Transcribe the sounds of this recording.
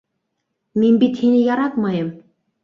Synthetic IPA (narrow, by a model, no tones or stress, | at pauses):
minbit̪hinijɑɾɑt̪mɑjə̆m